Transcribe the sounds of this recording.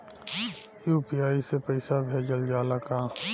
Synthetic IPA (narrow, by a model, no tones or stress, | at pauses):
juːpiaːisepəɪsabʱeːd͡ʒəld͡ʒaːlakaː